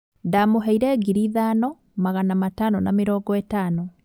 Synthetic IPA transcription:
damoɦɛiɾɛːɡiɾiðaːnɔ | maɣanamatanɔnameɾɔːŋɡɔetanɔ

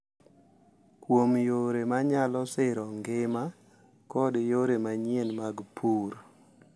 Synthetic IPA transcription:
kwomjoɾemaɲalɔsɪɾɔŋɡɪma | kɔdjoɾemaɲenmaɡpʰuɾ

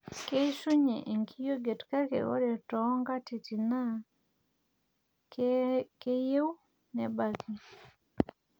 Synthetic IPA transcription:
kejsuɲɛ̰ʔeŋkijoɡetkakɛ̰ʔo̰dɛtɔŋɡatitina | kejew | nɛbaki

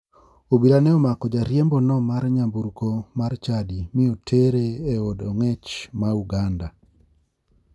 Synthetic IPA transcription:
obiɾanɛɔmakɔd͡ʒaɾjembonɔmarɲambuɾkomart͡ʃadimɪotʰeɾeːodɔŋɛt͡ʃmauɡanda

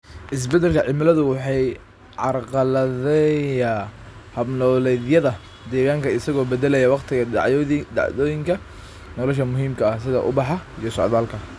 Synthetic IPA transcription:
ʔɪs̬bɛd̪ɛlkʰɐʕɪmɪlɐðʊwɑħɑj | ʕɑrqɑlɐðɛ | hɐbnɔːlɛjðjɐðɐ | d̪ɛːɣaːŋkʰɐɪsɐɣɔːbɛd̪ɛlɛjɐwɑqt̪ʰɪɣɐʕd̪ɑ̰ʕðɔːjɪŋkʰɐ | nɔlɔʃɐmʊɦiːmkʰɐɐhsɪðɐ̰ʔʊ̰bɑħɑijɔsɔ̰ʕðaːlkʰɐ

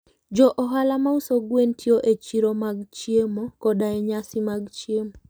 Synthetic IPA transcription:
d͡ʒɔʔɔɦalamausoɡwentʰjoʔet͡ʃiɾomaɡt͡ʃiemokɔdaɛɲasɪmaɡt͡ʃiemo

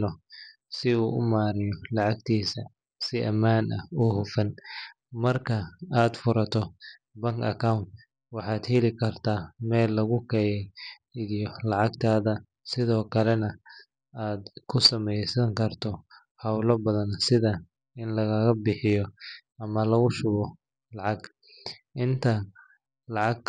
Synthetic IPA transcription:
lɔ | sɪuːʔʊ̰maːɾɪjɔlɑʕɑɡt̪ʰiːsɐ | sɪʔɐ̰maːnʔɐ̰ɔɦʊfɐn | mɐrkʰɐaːd̪fʊɾɐt̪ʰɔ | bɐŋkɐ̰kʰawnt̪ | wɑħɑːd̪hɛlɪkʰɐrt̪ʰaːmɛːlːɐɣʊkʰɛjɛ | jɔlɑʕɑɡt̪ʰaːðɐ | sɪðɔːkʰɐlɛnɐ | aːd̪kʰʊsɐmɛjsɐŋkʰɐrt̪ʰɔ | hɐwlɐbɐðɐnsɪðɐ | ɪnlɐɣɐɣɐbɪħɪjɔ | ɐmɐlɐɣʊʃʊβɔ | lɑʕɑɡ | ʔɪnt̪ʰɐ | lɑʕɑɡ̚

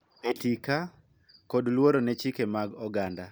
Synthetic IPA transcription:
petika | kodlwoɾonɛt͡ʃikemaɡɔɡanda

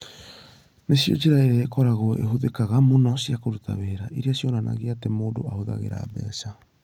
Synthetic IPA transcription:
nesio̰d͡ʒiɾaeɾeekoɾaɡoḛɦudekaɡamonosiakoɾutʰa̰βeːɾaʔiɾiasionana̰ɡiatemodo̰a̰huda̰ɡḛɾa̰bḛːsa

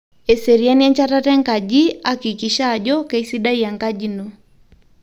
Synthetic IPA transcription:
ɛsɛɾianiaɲt͡ʃatatɛŋɡad͡ʒiakikiʃaʄɔkaisiɗaiaŋɡad͡ʒinɔ

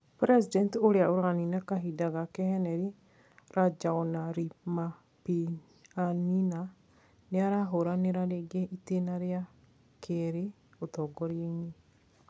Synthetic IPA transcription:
pɾɛsidɛntoɾeaoɾaninakaɦidaɣakɛhɛnɛɾi | ɾad͡ʒaɔnaɾima | pi | anina | neaɾaɦoɾaneɾaɾeɡeʔitenaɾja | kʰeɾe | otɔɡɔɾeɲi

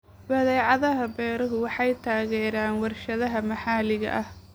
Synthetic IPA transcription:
bɐðɛːʕɑðɐɦɐbɛːɾɐɦʊwɑħɑjt̪ʰaːɣɛːɾaːnwɑrʃɐðɐɦɐmɐħɑːlɪɣɐ̰ʔɐh

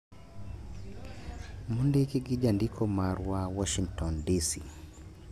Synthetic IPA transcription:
mundekiɡid͡ʒandikʰɔmaɾwawɔʃiŋktɔndisi

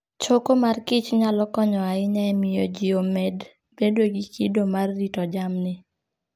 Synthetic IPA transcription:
t͡ʃokomarkɪt͡ʃɲalɔkɔɲɔaɪɲɛɛmɪjod͡ʒiomɛd | bedweɡikʰidomarːitɔd͡ʒamnɪ

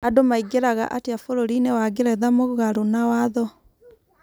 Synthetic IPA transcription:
adomaiɡeɾaɣa̰ʔateafoɾoɾinewaɡeɾɛðamoɣaɾonawaðɔ

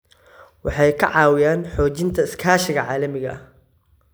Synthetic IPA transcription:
wɑħɑjkʰɐ̰ʕɑːwɪjaːnħɔːt͡ʃɪnt̪ʰɐɪskʰaːʃɪɣɐʕaːlɐmɪɣɐ̰

